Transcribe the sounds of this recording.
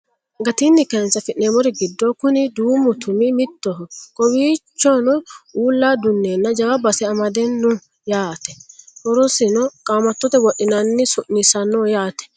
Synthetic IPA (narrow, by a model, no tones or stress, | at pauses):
ɡɐt̪inːɪkɛnt͡sːɐfɪʔneːmɔɾɛɡɪd̪ːoːkʊnɪd̪uːmʊt̪ʊmɪmɪt̪ːɔɦɔkʼɔwiːt͡ʃːɔnɔuːlːaːd̪ʊnːeːnːɐd͡ʒɐwabɐsɛɐmɐd̪ɛnːɔ | jaːt̪ɛhɔɾɔsɪnɔkʼaːmɐt̪ːɔt̪ɛwɔʔːɪnanːɪsʊʔnɪsɐnːɔːjaːt̪ɛ̥